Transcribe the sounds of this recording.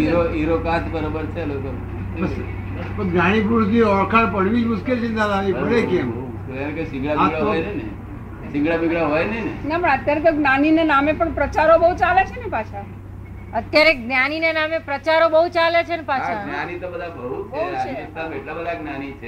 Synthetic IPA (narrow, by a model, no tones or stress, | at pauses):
iɾoiɾokat̪ʰbəɾobəɾt͡ʃʰelokən | bəs | pəsɡnaɽ̃ipuɾsniɔɾkʰaɽpəɽ̤ʋid͡ʒmʊskelsĩnd̪ananipəɾekem | kelemkosĩŋɡɭabãɡɭaɦjnene | sɪ̃ŋɡɭabiɡɭaɦojnenenapəɳət̪jaɾet̪̬oɡnaninenamepəɳpɾət͡ʃaɾobəɦut͡ʃalet͡ʃʰenepat͡ʃʰa | ət̪jaɾeɡnaninenamepɾət͡ʃaɾobəɦut͡ʃalet͡ʃʰenepaʃʰɡnanit̪obəd̪ʱabəut͡ʃeoat͡ʃesameʈlabəd̪ʱaɡnanit͡ʃʰe